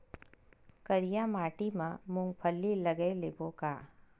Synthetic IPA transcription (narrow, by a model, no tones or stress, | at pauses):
kəɾijamaːʈimãmʊ̃ŋɡpʰəlːilɐɡelebokaː